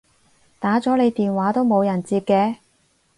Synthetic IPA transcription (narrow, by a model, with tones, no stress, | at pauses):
t̪aː˨˥t͡sɔː˨˥le˨˧jt̪iː˨nwaː˨˥t̪o˥wmo˨˧wjɐ˨˩nt͡siː˧p̚kɛː˧